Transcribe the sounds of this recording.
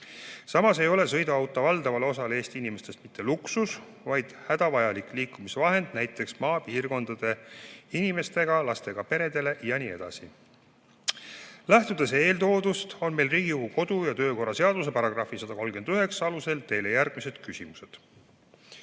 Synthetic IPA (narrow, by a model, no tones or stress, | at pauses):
sɑmɑse̞jo̞lesɤ̞jd̪uɑwt̪ːˑɑvɑld̪̥ɑvɑleo̞s̬ɑlee̞ːst̪iinime̞st̪e̞st̪mit̪ʰːe̞luksus | vɑjd̪̥hæd̪̥ɑvɑjɑlikˑliːkːˑumisevɑɦe̞nd̪̥næjt̪ːˑe̞ksmɑːpiːrko̞nd̪̥ɑd̪̥e̞inime̞st̪e̞ɡ̥ɑlɑst̪e̞ɡ̥ɑpe̞ɾe̞d̪e̞le̞ʔjɑnie̞̰d̪̥ɑ̰si | læht̪ud̪ese̞ːlt̪o̞ːd̪ust̪o̞nme̞jlriːɡiuɡuko̞d̪̥ujɑt̪øːko̞rːɑse̞ɑd̪̥us̬e̞pɑɾɑɡ̥rɑfisɑd̪̥ɑko̞lɡ̥e̞nd̪yɦe̞ksɑluselt̪e̞jlejærɡ̥̚mise̞d̪̥kysimuse̞d̪̥